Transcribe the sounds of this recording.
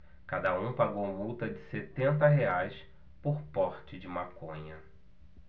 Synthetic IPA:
kad̪ɐũpaɡowmut̪ɐd͡ʒɪset̪ẽnt̪̬ɐɦeajs | poɾpɔɾt͡ʃɪd͡ʒɪmakõɲɐ

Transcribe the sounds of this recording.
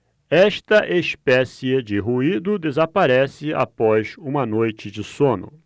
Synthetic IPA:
ɛʃt̪ɐʔespɛsied͡ʒɪɦuid̪ʊd̪ezapaɾɛsɪa̰pɔzũmɐnojt͡ʃɪd͡ʒɪsõnʊ̰

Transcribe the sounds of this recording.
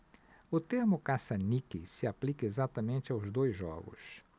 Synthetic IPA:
ʊt̪eɾmʊkasɐnikisɪaplikɐezat̪ɐmẽnt̪ɪawzd̪ojzːɔ̰ɡʊ̰s

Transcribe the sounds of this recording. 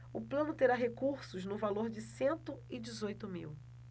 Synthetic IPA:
ʊplɐ̃nʊt̪eɾaɦekuɾsʊznʊvaloɾd͡ʒɪsẽnt̪ʊɪd͡ʒɪzojt̪ʊmḭw

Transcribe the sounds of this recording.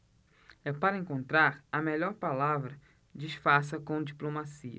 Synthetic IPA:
ɛpaɾɐẽŋkõnt̪ɾaɾɐmɛʎɔɾpalavɾɐ | d͡ʒiʃfaɾs̬ɐkõd͡ʒiplomasiɐ̰

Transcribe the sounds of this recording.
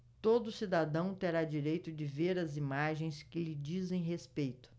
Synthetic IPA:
t̪od̪ʊsid̪ad̪ɐ̃w̃t̪eɾad͡ʒiɾejt̪ʊd͡ʒɪveɾɐzimaʒẽj̃skɪlɪd͡ʒizẽj̃ɦespejt̪ʊ̥

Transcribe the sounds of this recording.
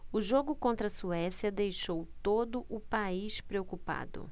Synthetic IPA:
ʊʒoɡʊkõnt̪ɾɐsuɛsjɐd̪ejʃowt̪od̪ʊʔʊpaiʃpɾeokupa̰d̪ʊ̰

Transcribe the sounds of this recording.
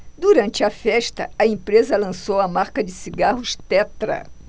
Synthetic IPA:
d̪uɾɐ̃nt͡ʃɪɐfɛʃt̪ɐ̰ɐẽmpɾezɐlɐ̃sowɐmaɾkɐd͡ʒɪsiɡaɦʊʃt̪ɛt̪ɾɐ̰

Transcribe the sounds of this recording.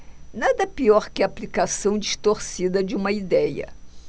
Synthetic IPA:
nad̪ɐpiɔɾkɪɐːplikasɐ̃w̃d͡ʒiʃt̪oɾsid̪ɐd͡ʒɪũmɐid̪ɛjɐ̰

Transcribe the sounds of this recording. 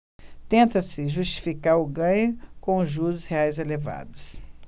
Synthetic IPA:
t̪ẽnt̪ɐsɪʒust͡ʃi̥fikaɾʊɡɐ̃ɲʊkõʒuɾʊsheajzeleva̰d̪ʊs

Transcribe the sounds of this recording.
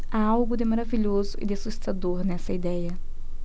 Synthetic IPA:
aawɡʊd̪ɪmaɾaviʎozʊʔɪ̰d̪ɪsust̪ad̪oɾnɛsɐid̪ɛjɐ

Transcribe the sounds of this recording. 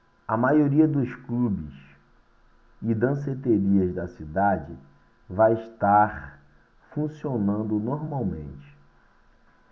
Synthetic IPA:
ɐmajoɾiɐd̪ʊsklubɪ̰s | ɪd̪ɐ̃set̪eɾiɐzd̪ɐsid̪ad͡ʒɪ | vajɪʃt̪aɾ | fũsionɐ̃nd̪ʊnoɾmawmḛ̃nt͡ʃɪ̥

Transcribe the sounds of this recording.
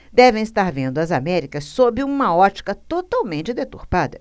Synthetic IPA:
d̪ɛvẽj̃ist̪aɾvẽnd̪ʊɐzamɛɾikɐsːobɪũmɐɔt͡ʃi̥kɐt̪ot̪awmẽnt͡ʃɪd̪et̪uɾpad̪ɐ

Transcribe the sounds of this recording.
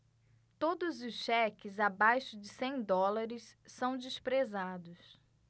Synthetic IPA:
t̪od̪ʊzʊsʃɛkɪzabajʃʊd͡ʒɪsẽj̃d̪ɔlaɾɪsːɐ̃w̃d͡ʒɪspɾezad̪ʊs

